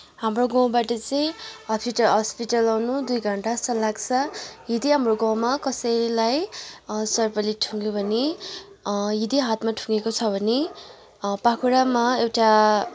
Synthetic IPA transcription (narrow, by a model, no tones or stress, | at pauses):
ɦamroɡʌw̃baʈʌt͡sʌĩɦʌspiʈʌlɦʌspiʈʌlawnud̪ujɡʱʌɳʈasʌlaɡt͡sʰʌɦid̪iɦamroɡʌ̃w̃makʌsʌjlaj | sʌrbʌliʈʰuŋɡobʱʌne | ɦid̪iɦat̪maʈʰuŋɡekot͡sʰʌbʱʌne | pakʰuɽamaewʈa